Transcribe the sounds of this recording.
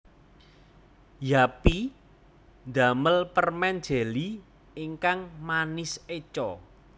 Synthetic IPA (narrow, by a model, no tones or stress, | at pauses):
japi | nd̪a̤məlpərmɛnd̥d͡ʒ̥ɛ̤li | iŋkaŋmanɪset͡ʃɔ